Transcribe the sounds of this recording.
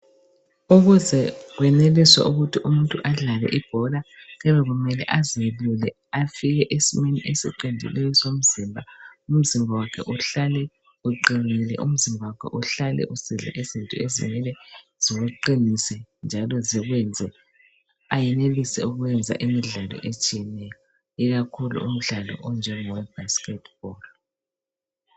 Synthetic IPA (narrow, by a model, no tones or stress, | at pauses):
uɣuzɛɣwɛneliswa̰ʔuɣutʰiʔumuntʼuʔaɮalɛ̰ʔib̥ʱɔla | ɣɛβɛɣumɛlɛ̰ʔazilulɛ | afiɣɛʔesimenḭʔesiǃindʱḭlɛjɔsom̩zimbʱaum̩zimbʱawakʰɛʔuɬalɛ | uǃinilɛ̰ʔum̩zimbʱawakʰɛ̰ʔuɬalɛ̰ʔusiɮɛ̰ʔezintʼuezḭmɛlɛ | z̥iɣuǃinisɛnd͡ʒʱalɔziɣwɛnd͡zʱɛ | ajɛnelisɛuɣuwɛnd͡zʱa̰ʔimiɮalɔ̰ʔet͡ʃʼijɛnɛjɔ | iɣakʰulṵum̩ɮalɔ̰ʔɔnd͡ʒʱɛŋɔwɛbaskɛtʰʼb̥ɔːl